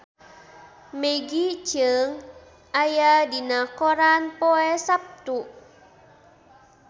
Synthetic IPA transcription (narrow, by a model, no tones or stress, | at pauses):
meɡit͡ʃəŋ | ʔajadinakɔɾanpoɛsap̚t̪uʔ